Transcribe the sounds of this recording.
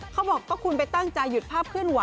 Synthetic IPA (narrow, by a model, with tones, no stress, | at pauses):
kʰa˦˥wbɔː˨˩kːɔː˥˩kʰu˧np̬a˨jt̪a˥˩ŋt͡ɕa˧jːu˨˩t̪̚pʰaː˥˩p̚kʰɯ˥˩ənwa˨˦